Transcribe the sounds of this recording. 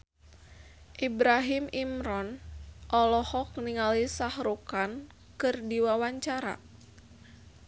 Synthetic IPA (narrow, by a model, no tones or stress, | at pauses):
ʔibɾaɦimimɾɔnʔɔlɔhɔkniŋalisahrukan | kɨrdiwawaɲt͡ʃaɾa̰